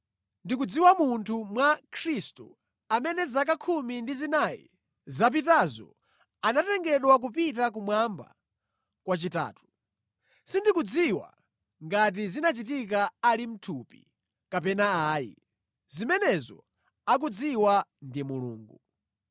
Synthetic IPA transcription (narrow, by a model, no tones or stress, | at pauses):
ndik̬ud͡ziwamuntʰumwakʰɾistu | amɛnɛzak̬akʰumindizinajḭ | zap̬itazɔ̰ | anatɛŋɡɛɗwak̬up̬it̬ak̬umwamba̰ | kwat͡ʃita̰ːtu̥ | sindikud͡ziwa̰ | ŋɡat̬izinat͡ʃitikaalim̩tʰupḭ | kapɛnaaːjḭ | zimɛnɛzɔ̰ | ak̬ud͡ziwandimulṵːŋɡu